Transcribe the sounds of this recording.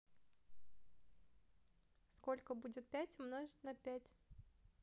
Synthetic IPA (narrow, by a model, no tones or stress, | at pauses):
sko̞lʲkəbudʲɪt̪̚pʲætʲmnoʐt̪ʲnɐpʲætʲ